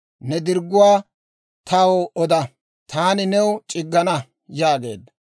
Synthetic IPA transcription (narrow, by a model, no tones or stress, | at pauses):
nɛd̪ɪɾɡːʊwaː | t̪awoɔd̪ɐ | t̪aːnɪnɛwt͡ʃʼɪɡːɐnɐ | jaːɡe̞̰ːd̪ɐ